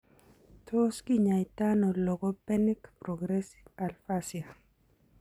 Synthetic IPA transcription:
tʰoskiɲa˨jta˦nɔ˨lɔ˨ɡɔ˦pɛ˦ni˦kpɾɔɡɾesi̥a˨lfasja˨

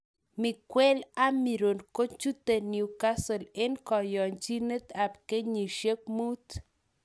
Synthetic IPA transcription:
mi˨kwe˦la˦mi˨ɾo˨nko˦t͡ʃu˦t̪e˨nju˨ka˦so˨le˦nkɔ˨jɔ˨nt͡ʃi˦nə˦t̪a˨pke˦ɲi˨ʃe˦k̚mu˦t̪

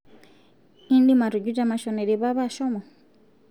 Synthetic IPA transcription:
i˦ndi˦ma˨ɾu˨d͡ʒu˦d͡ʒa˦ma˨ʃɔ˨nɛ˨ɾi˨βa˦βa˦˨ʃɔ˦mɔ˨

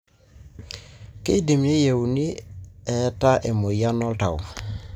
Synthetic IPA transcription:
ke˦di˨mne˦je˨wni˦ɛ˨˦ta˦ʔe˨mo˨ja˦nɔ˦lta̰˨w

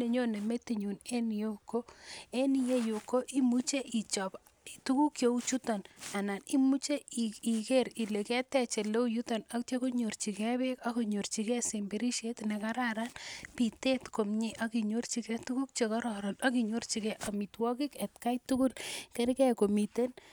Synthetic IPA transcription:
ne˨ɲo˦ne˨me˦ti˨ɲune˦nijo˦ko˦e˦ni˨je˦jo˨ko˦ʔi˦mu˦t͡ʃe˦ʔi˨t͡ʃɔp | tu˦ku˦kjo˦u˦t͡ʃu˦to˨na˨na˨ni˦mu˦t͡ʃe˦i˨keɾi˨le˨kɛ˦tɛ˨t͡ʃe˨le˦u˦ju˦to˨nakte˦ko˦ɲo˨rt͡ʃi˨kɛ˦be˦kako˨ɲo˨rt͡ʃi˨kɛ˦sembeɾi˦ʃe˦tnekaɾaɾanpi˨te˦tko˨mɲiʔaki˨ɲo˦rt͡ʃi˨kɛ˦tuku˦k̚t͡ʃekɔ˦ɾɔ˨ɾɔnaki˨ɲo˦rt͡ʃi˨kɛʔa˨mi˨twɔ˦ki˦kɛ˨tka˦jtu˦ku˦lkɛ˦ɾkɛ˦ko˨mi˨ten

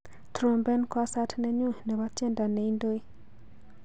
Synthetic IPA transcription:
tɾo˨mbɛ˦nkwa˦sa˦tnɛ˦ɲu˦nɛ˨wa˦t͡ʃe˦nda˨nɛ˨i˦ndo˦i˦

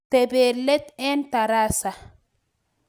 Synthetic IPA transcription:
t̪e˨be˨lɛ˦t̪ɛ˦nt̪a˨ɾa˦sa˨

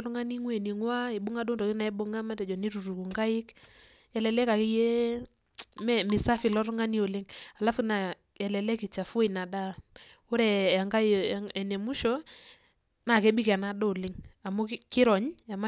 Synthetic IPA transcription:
ɾŋa˦ni˦ŋwe˨ni˨ŋwa˦i˨ɓʊ˦ŋa˦do˦ndɔ˨ki˦na˨ɛ˦bʊ˦ŋa˦ma˦tɛ˨d͡ʒɔ˨ni˦ɾu˨ɾu˨ku˨ŋɡa˦ɪ˦k | ɛ˨lɛ˨lɛ˦ka˨ki˦je˦ | mɛ˦mɪ˨sa˦fi˨lɔ˦ɾŋa˦ni˦o˨lɪ˦ŋa˨la˦fu˦na˨ | ɛ˨lɛ˨lɛ˦ki˨t͡ʃa˨fʊ˦e˨na˨da˦ | o˦ɾɛ˨a˨ŋɡa˦˨ɛ˨ne˨mu˦ʃɔ˦ | na˨ke˦bi˦ka˨na˦ɗo˦˨lɪ˦ŋa˨mu˦kɪ˦ɾɔ˨ɲa˨ma˦

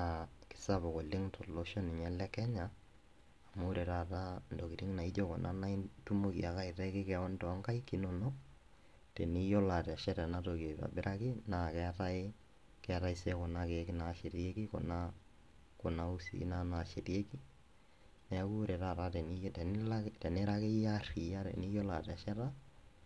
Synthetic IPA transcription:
a˨kɪ̥˦sa˦bɔ˨kɔ˨lɪ˦ŋtʰɔ˨lo˦ʃɔ˦nɪ˨ɲɛ˦lɛ˦kɛ˦ɲaː˨ | mo˦ɾe˨ɾa˦˨ta˦n˨do˨ki˨ɾi˦ŋna˨i˦do˦kɔ̰˨nʔa˦na˦i˦tu˦mo˦kḭ˨a˨˦ka˦ɪ˨tɛ˦kɪ˦kɛɔ˦ntɔ˨˦ŋka˦i˦ki˨˦no˨no˦ | te˨ni˦jɔ˦la˨ta˨ʃɛ˦tɛ˨na˦to˨ke˨ba̰˨bɪ˦ɾʔa˦kɪ˦na˨kɛ˦ta˦ɪ˦ | kɛ˦a˦ɾa˦ɪ˦se˦kɔ˨na˦ke˨kɪ˦na˨ʃe˨ɾi˨e˦ki˦kɔ̰˨na˦ | kɔ˨na˦u˦sḭ˨˦na˦na˨ʃe˨ɾje˦ki˦ | nɛ˨a˦ku˦ɾɛ˨ɾa˦˨ɾa˦tɛ˨nitɛ˨n˦la˦tɛ˨ne˦ɾa˦ke˦ja˦ri˨ja˦ɾɛ̰˨ni˦jɔ˦la̰˨tɛ˨a˨ʃɛ˦ta˦

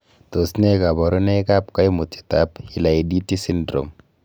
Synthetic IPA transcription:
to˨sne˦ka˨bɔ˨ɾɔ˦nɛ˦ka˦pka˦jmu˨ti̥˨ta˨˦pi˨la˨i˨di˦ti˦si˦ndɾo̰˨m

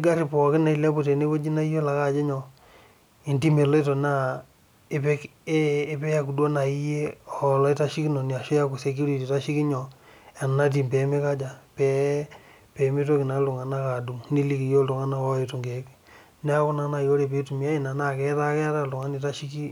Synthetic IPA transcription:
i˦ɡa˦ɾi˦pɔ˨kɪ˦na˨i˨la˦pu˦˨te˨ne˦wo˦d͡ʒi˦na˦i˦jo˦la˨ka˦d͡ʒɛ˦ɲɔ˨ | i˨nti˦me˨le˦to˨na˦ | ɪ˦pe˦kː | pe˦ja˦ku˨do˦na˨i˦je˦ɔ˨lɔ˦i˦ta˦ʃi˦ki˦nɔ˨ni˨a˨ʃo˦ja˦ku˨se˨k̬ju˦ɾi˦ti˨ta˦ʃi˦ki˦ɲɔ˨ | a˨n˨na˦t̬i˨mpe˨˦me˦ka˦d͡ʒa˨pɛ˦ | pe˨me˦to˦kɪ˨na˨˦lʊ˨ŋa˨na˦ka˨du˨mni˦li˦ki˨jo˦lu˨ŋa˦na˦ɔ˦i˨tu˨ŋɡe˨k | nɛ˦a˦kʊ˦na˨˦na˨jo˦ɾe˨pe˦tu˨mi˨a˦i˦˨na˨na˦˨kɛ˦ta˦kɛ˦ta˦lʊ˨ŋa˦ni˨ta˦ʃi˦ki˦

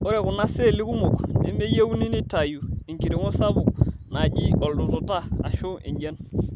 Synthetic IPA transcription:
o˦ɾɛ˨ku˨na˦se˦˨li˦ku˦mo˨knḭ˦me˦je˦u˦ni˦ni˦ta˨ju˨i˨ŋki˨ɾe˨ŋo˦sa˦bʊ˨k̚na˨ɟi˦ɔ˨ldu˨to˨ta˦a˨ʃu˦ʔḭ˨ɲd͡ʒɛ˦n

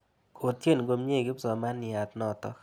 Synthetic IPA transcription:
kʰo˨t̪je˦˨nɡo˦˧mɲe˦˨ɡɪ˦psɔ˨ma˦nɪ˨a˨t̪nɔ˦t̪ɔ̰˦

